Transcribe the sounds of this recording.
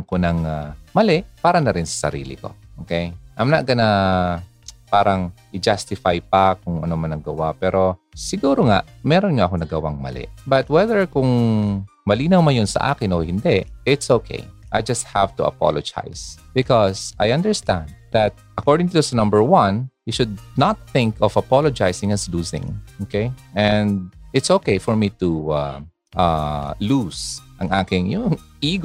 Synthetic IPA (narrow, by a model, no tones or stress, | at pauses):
ŋkonɐŋamɐlɛʔpaːɾɐnɐɾɪnsɐ̥sɐ̰ɾḭːlɪ̰ko̞̰ʔʔokejʔɐmnaʔkɐna | paːɾɐŋʔɪd͡ʒast̪ɪfajpakʊŋɐ̰nomɐnɐɡɐwapɛːɾo̞sɪɡuːɾoŋaʔmɛːɾonɲoʔɐkonɐɡɐwa̰ŋmɐ̰lɛ̰ʔbɐt̪̚wɛðəɹkʊŋ | mɐliːnɐwmɐjonsɐ̰ʔa̰ːkɪnʔohɪnd̪ɛʔɪt̪sowkʰḛjʔajd͡ʒɐst̪̚hav̥t̪uʔɐ̰pɔ̰lod͡ʒa̰jsb̥ɪkɔsʔajɐ̃nd̪əɹst̪æ̰̃nd̪̚ðɐt̪̚ʔɐkɔɹd̪ɪŋt̪ʊusɐnɐ̃mbəɹwɐ̃nhiʃʊd̪̚nat̪̚θɪ̃ŋkɔvɐpalod͡ʒajsɪ̃ŋɐsluːsɪ̰̃ŋʔokejʔɛ̃nd̪̚ɪt̪soːkejfɔɹmit̪ua̰ | ʔalusʔɐ̰ŋʔaːkɪŋjʊŋʔiːɡ